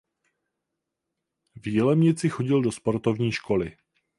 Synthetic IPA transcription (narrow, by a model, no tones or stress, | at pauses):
vjilɛmɲɪt͡sɪxo̞ɟɪldospoɾt̪ovɲiːʃkʰo̞lɪ